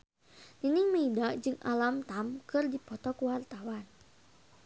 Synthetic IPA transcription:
ninɪŋməidaʔd͡ʒɨŋʔa̰lamt̪amkɨrdipɔt̪ɔkuwart̪awan

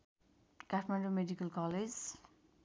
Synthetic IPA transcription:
kaʈʰmaɳɖomeɖikəlkɔled͡ʑ

